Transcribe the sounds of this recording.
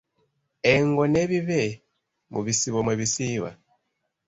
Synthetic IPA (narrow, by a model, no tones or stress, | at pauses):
ɛŋɡɔnɛβiβɛ | mʔṵβisiβɔmweβisiβa̰